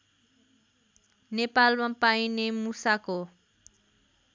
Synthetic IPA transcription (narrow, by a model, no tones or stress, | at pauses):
nepalmapajnemusako